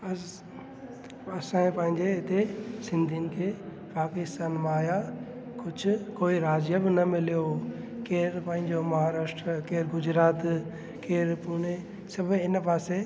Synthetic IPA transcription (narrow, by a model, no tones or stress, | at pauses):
ɐ | ɐsãːẽpɐ̃ɦɪ̃ɲd͡ʑeɪt̪esɪ̃nd̪ʱiʊnɪ̆kʰeː | paːkɪst̪aːnmãːja | kʊd͡ʑʰʱʊ̆koːiɾaːd͡ʑjəbɪnɐmɪlijokeːɾpɐ̃ɦɪ̃ɲd͡ʑomɐɦaːɾaːʃʈɾəkeːɾɡʊd͡ʑɾaːt̪ | keːɾpʊɽ̃e | sɐbʱɪnpaːse